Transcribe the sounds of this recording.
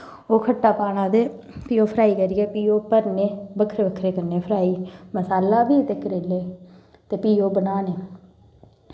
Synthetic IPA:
oːkʰəʈːaːpaːnãːd̪eː | piːoːpʰəɾaːiːkəɾijɛːpiːoːpəɾneːbəkʰɾeːbəkʰɾeːkəɾneːpʰəɾaːiːməsaːlaːbiːt̪eːkəɾeːleː | t̪eːpiːoːbənaːneː

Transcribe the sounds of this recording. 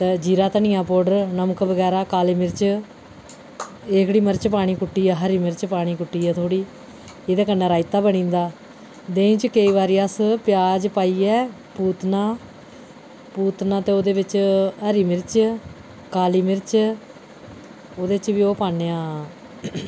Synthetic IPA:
t̪eːd͡ʒiːɾaːt̪ənɪːãːpoːɖəɾnəməkbəɡɛːɾaːkaːliːmɪɾt͡ʃ | eːkɽiːməɾt͡ʃpaːɽ̃iːkʊʈːiːɛːɦəɾiːmɪɾt͡ʃpaːɽ̃iːkʊʈːiːɛːt̪ʰoːɽiː | eːd̪eːkənːɛːɾaːɪt̪aːbəɳ̃ĩːnd̪aː | d̪ẽːt͡ʃkəiːʋaːɾiːaspɪjaːd͡ʒpaːiːɛː | puːt̪nãː | puːt̪nãːt̪eːoːd̪eːʋɪt͡ʃɦəɾiːmɪɾt͡ʃ | kaːliːmɪɾt͡ʃ | oːd̪eːt͡ʃʋiːoːpaːneːãː

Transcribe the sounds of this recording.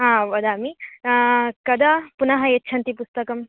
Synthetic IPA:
ɦãːʋɐd̪aːmi | kɐd̪apunɐɦɐetːt͡ʃʰɐnt̪ipust̪ɐkɐm

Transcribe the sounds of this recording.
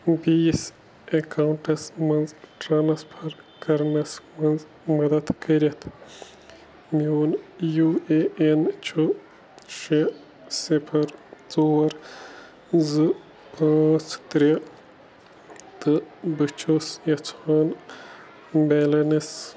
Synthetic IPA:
biːs | ekawɳʈɐsmɐnzʈɾanɐspʰɐɾkɐɾnɐsmɐnz | mɐd̪ɐd̪kɐɾʲɐt̪ʰ | mʲoːnjueent͡ʃʰu | ʃe | sipʰɐɾt͡soːɾ | zɨ | pãːt͡st̪ɾʲɐ | t̪ɨbɨt͡ʃʰosjɐt͡sʰaːn | belɐnis

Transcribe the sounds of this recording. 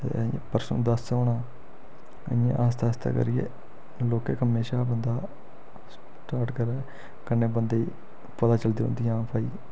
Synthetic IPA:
t̪ḛ̃ːpəɾsə̰nd̪əsoːnaː | ə̰ãʔaːst̪ʰaːst̪ʰa̰ːkə̰ɾɪjḛː | loːkeːkɦəmeːʃaːbənd̪aː | s | ʈaːɾʈkəɾaː | kənːeːbənd̪eiː | pət̪aːt͡ʃəld̪iːɦõ̰nd̪ijãːpʰaːiː

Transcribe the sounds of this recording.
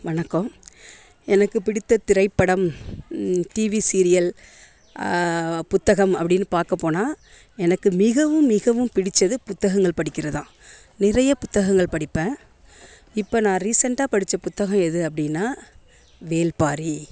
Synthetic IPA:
ʋɐnɐkːɐm | ɛnɐkːɯpɪɽɪt̪ːɐt̪ɪɾɐɪpːɐɽɐm | ʈiːʋisiɾɪjɐl | pʊt̪ːɐɣɐmɐpːɐɽɪnːɯpaːɾkɐpːoːnaː | ɛnɐkːɯmɪɣɐʋɯmːɪɣɐʋɯmpɪɽɪt͡ʃːɐðɯpʊt̪ːɐɣɐŋɡɐɭpɐɽɪkʲːɪɾɐðãː | nɪɾɐjɐpʊt̪ːɐɣɐŋɡɐɭpɐɽɪpːẽː | ɪpːonãːɾiːsɐɳʈaːpɐɽɪt͡ʃːɐpʊt̪ːɐɣɐmɛðɯɐpːɐɽɪnːaː | ʋeːlpaːɾi

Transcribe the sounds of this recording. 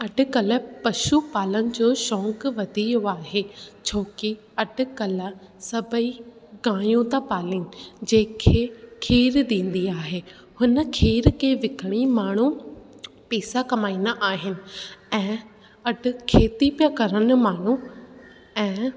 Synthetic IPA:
ɐɖʱʊ̆kɐləpɐʃupaːlənɪ̆d͡ʑoːʃɔ̃ːkʋɐd̪ʱijoaːɦet͡ɕʰoːki | ɐɖʱʊ̆kɐlə | sɐbʱəi | ɡãːjũt̪apaːlĩːd͡ʑẽːkʰeːkʰiːɾd̪ĩːn̆d̪iaːɦeː | hʊnə̆kʰiːɾkʰeːʋɪkʰəɽ̃imaːɳ̤u | pɛːsakɐmaːiːnaʔaːɦɪnɪ̆ɛ̃ː | ɐɖʱʊ̆kʰeːt̪ipjakɐɾənɪ̆maːɳ̤u | ɛ̃ː

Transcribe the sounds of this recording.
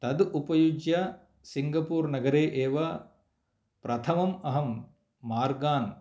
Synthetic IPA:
t̪ɐd̪upɐjud͡ʒjɐ | siŋɡɐpuːɾnɐɡɐɾeːʔeːʋɐ | pɾɐt̪ʰɐmɐmɐɦɐmː | aːɾɡaːn

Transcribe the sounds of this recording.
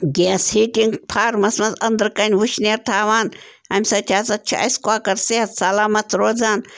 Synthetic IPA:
ɡʲeːshiːtiŋɡpʰaːɾmɐsmɐzɐnd̪ɾkɐnʲʋuʃneːɾt̪ʰaːʋaːn | ɐmʲsɐt̪ʰʲaːt͡sɐt͡ʃʰiʔɐ̰skwaːkɐɾseɐt̪sɐlaːmɐt̪ɾoːd͡zaːn

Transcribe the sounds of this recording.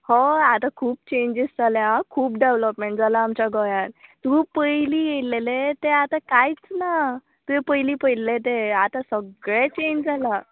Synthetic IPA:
hɔat̪akʰuːp̚t͡ɕẽɲd͡ʑist͡saljakʰuːpɖeʋləpmeɳʈd͡zalaːmt͡ɕaɡɔjãnt̪upəjliːjelelet̪eat̪akajt͡sna | t̪uɦepəjliːpəjllet̪̬eat̪asəɡɭet͡ɕẽɲd͡zala

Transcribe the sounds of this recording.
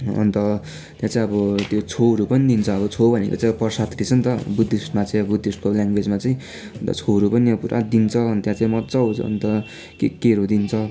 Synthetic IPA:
ʌ̰nt̪ʌ | t̪jãt͡saĩʌbʌt̪jot͡sʰoʌɾupʌnid̪int͡sʰʌːbʌt͡sʰobʱʌnḛko̰t͡saipʌrsat̪rit͡sʰʌnt̪ʌbud̪ʱːisʈmat͡saĩʌbʌbud̪ʱːisʈkoljaŋɡwed͡zmat͡saĩ | nt̪ʌ̰t͡sʰoɦʌɾupʌniʌpuɾʔa̰d̪int͡sʰʌnt̪jãt͡saĩmʌt̪t͡sʌɦʌ̰nt̪ʌ | kekeɾod̪int͡sʰʌ

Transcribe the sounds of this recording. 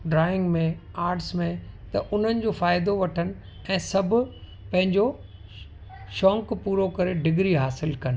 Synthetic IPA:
ɖɾaːɪ̃ŋɡmẽaːɾʈsmẽt̪ɐʔʊn̤ənɪ̆d͡ʑofaːɪd̪oʋɐʈʰənɪ̆ | ɛ̃ːsɐbʱʊ | pɐ̃ɦɪ̃ɲd͡ʑo | ʃɔ̃ːŋkpuːɾokɐɾeɖɪɡɾiɦaːsɪlkɐnɪ̆

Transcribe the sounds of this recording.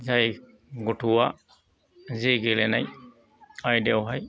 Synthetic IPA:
zaj | ɡuʈʰuwa | ziɡelenaj | ajdewɦaj

